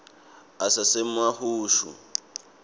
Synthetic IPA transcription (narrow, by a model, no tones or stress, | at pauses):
asasemahuːʃṵ